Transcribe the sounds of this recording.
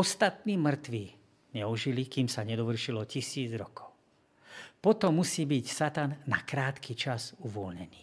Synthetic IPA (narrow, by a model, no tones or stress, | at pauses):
ɔst̪at̪̚niːmr̩t̪ʋiː | ɲɛuʒilikiːmsaɲɛd̪ɔʋr̩ʃilɔcisiːd͡zɾɔkʰɔ̥ʊ | pɔt̪ɔmːusiːbicsat̪anːa̰kɾaːt̪kit͡ʃazuʋɔlɲɛniː